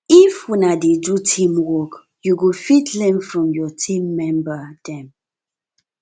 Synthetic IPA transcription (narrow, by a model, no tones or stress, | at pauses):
ifwinadedutʰĩmwɔk | juɡofitʰlɛ̃nfɹɔ̃mjɔtʰĩmːɛ̃mbədɛ̃m